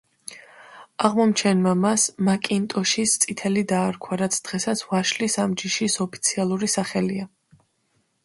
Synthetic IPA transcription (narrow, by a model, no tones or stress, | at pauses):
aʁmɔmt͡ʃʰɛnmamasmakʼint̪ʼɔʃist̪sʼit̪ʰɛlid̪aːɾkʰwaɾat̪sʰd̪̥ʁɛsat̪sʰvaʃlisamd͡ʒiʃisɔpʰi̥t̪sʰialˠuɾisaχɛlia